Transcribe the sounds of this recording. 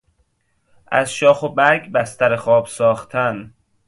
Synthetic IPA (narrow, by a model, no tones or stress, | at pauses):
ʔæ̰zʃɒːxobæɾɡbæst̪æɾexɒːbsɒːxt̪ʰæn